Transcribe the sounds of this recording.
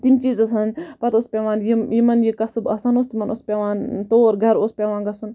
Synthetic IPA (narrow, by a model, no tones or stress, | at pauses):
t̪imt͡ʃiːzɐsɐnpɐt̪oːspʲeʋaːnjijimɐnjikɐsɨbɐsɐnost̪imɐnʔospʲeʋaːnt̪oːɾɡʱɐɾoːspʲeʋaːnɡɐsun